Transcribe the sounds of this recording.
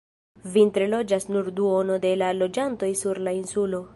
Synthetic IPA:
vint̪ɾelo̞d͡ʒasnuɾduono̞de̞lalo̞d͡ʒanto̞jsuɾlainsulo̞

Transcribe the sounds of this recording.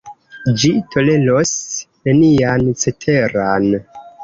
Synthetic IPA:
d͡ʒitʰo̞le̞lo̞sne̞niant͡setʰe̞ɾan

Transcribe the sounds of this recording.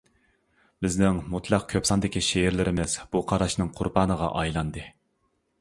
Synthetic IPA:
bɪznɪŋmut̪ʰlˠɑq̚kʲʰøpsɑnd̪ɪkʲʰiʃeɾlɪɾɪmɪz̥b̥uqʰɑɾɑʃnɨŋqʰʊɾbɑːnəʁɑ̰ʔɑjlˠɑnd̪ɨ

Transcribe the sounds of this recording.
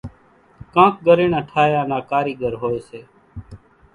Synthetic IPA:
kãːk̚ɡəɾeːɳaːʈʰaːjãːnãːkaːɾiːɡəɾɦoːeːseː

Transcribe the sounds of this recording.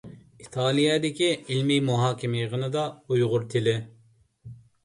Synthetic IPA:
it̪ʰɑːlˠijɛd̪ɪkʲiilmijmuɦɑːkʲʰɪmɪjʁənɨd̪ɑujʁʊɾt̪ʰɪlɪ

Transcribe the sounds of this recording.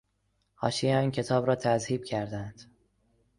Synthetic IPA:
hɒ̰ːʃijeɒːncʰe̞t̪ʰɒːbɾɒːt̪ʰæzhiːb̚cʰæɾd̪ænd̪̥

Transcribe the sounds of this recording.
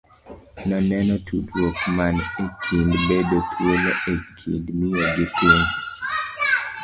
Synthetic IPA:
nɔnɛnɔtʰutwokmanekʰindbedot̪ʰweleʔekʰḭndmɪjoɡɪpɪŋ

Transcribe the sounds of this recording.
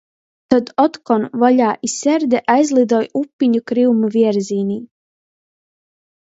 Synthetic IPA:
t̪ad̪ɔt̪kɔnvɔʎʲaːʔisʲɛɾd̪ɛʔajzlˠid̪ɔːjupʲːiɲukɾiwmuvʲiɛɾziːnʲiː

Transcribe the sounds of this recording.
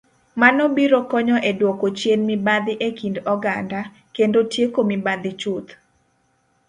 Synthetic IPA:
manɔbiɾɔkɔɲɔʔedwɔkot͡ʃjenmibad̪ɪʔekindɔɡanda | kendotjekomibad̪ɪt͡ʃut̪

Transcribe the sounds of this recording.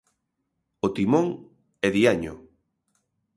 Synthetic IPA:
ot̪imoŋ | ɛðiaɲʊ

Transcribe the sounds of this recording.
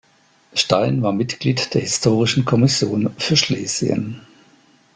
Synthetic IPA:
ʃtaɪnvaːɐmɪtɡ̥liːtd̥eːɐhɪstʰoːʁ̞ɪʃn̩kʰɔmɪsjoːnfyːɐʃleːzj̰ə̰n

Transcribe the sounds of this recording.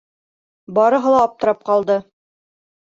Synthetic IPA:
bɑɾɤ̆ɦɤlˠɑːp̚t̪ɤ̆ɾɑp̚qɑlˠd̪ɤ

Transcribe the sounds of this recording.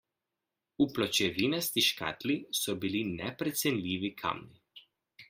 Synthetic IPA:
uplɔt͡ʃɛʋinast̪iʃka̰t̪lisɔbilinɛpɾɛt̪sɛnlʲiːʋikʰa̰mni

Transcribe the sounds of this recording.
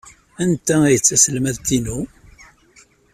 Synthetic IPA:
ænt̪æijət͡sːæsəlmæðt̪ːinu

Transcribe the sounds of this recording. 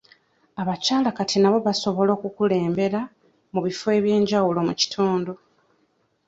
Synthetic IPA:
aβacaːlakatʰinaβo̞βaso̞βo̞lo̞ːkukule̞ːmbe̞ɾa | muβifo̞e̞βje̞ːɲɟawulo̞muci̥tʰuːndo

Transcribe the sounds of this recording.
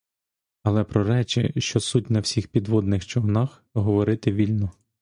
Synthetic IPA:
ɐlˠɛpɾɔɾɛt͡ʃɪ̰ʃt͡ʃɔsutʲnɐwsʲixpʲid̪ʋɔd̪nɪxt͡ʃɔwnɑx | ɦɔʋɔɾɪt̪ɪʋʲilʲnɔ

